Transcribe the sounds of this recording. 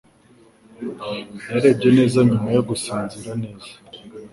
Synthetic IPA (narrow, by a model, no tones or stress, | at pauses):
naɾebje̞ne̞ːzaɲumajo̞ɡusaːnziɾane̞ːzḁ